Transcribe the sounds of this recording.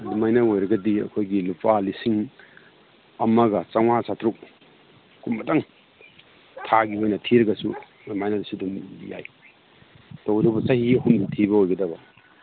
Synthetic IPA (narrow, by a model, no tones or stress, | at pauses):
lumajnaojɾɐɡɐdiɐ̰kʰojɡilupalisiŋ | ɐmɐɡɐt͡ʃaŋwasatɾuk̚ | kumːɐtaŋ | tʰaɡiojnɐtʰiɾɐɡɐsu | majnadɐsudumja̰j | towdubɐsɐhiɐhumdɐtʰibɐojɡɐdɐbɐ